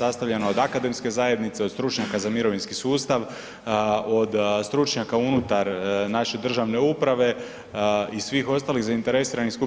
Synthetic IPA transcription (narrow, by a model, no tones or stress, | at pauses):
ast̪aʋʎanaod̪akad̪e̞mske̞zaːje̞d̪nit̪se̞o̞d̪st̪ɾut͡ʃɲakazamiɾo̞ʋinskisuːst̪aʋ | od̪st̪ɾut͡ʃɲakaunut̪aɾnaʃe̞d̪r̩ʒaʋne̞upɾaʋe̞ | isʋiːxo̞st̪aːlixzaint̪e̞ɾe̞siːɾanixsku